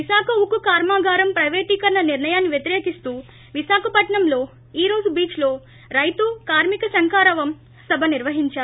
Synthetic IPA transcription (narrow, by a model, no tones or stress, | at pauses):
ʋiʃaːkɐukukaːɾmaːɡaːɾɐmpɾɐjʋeːʈiːkɐɾɐnɐniɾɳɐjaːnːiʋjɐt̪iɾeːkist̪uː | ʋisaːkʰɐpɐʈɳɐmlo̞ː | iːɾo̞ːd͡ʒubiːt͡ʃlo̞ː | ɾɐjt̪ukaːɾmikɐsɐŋkaːɾɐʋɐm | sɐbʱɐniɾʋɐɦiɲt͡ʃaːɾu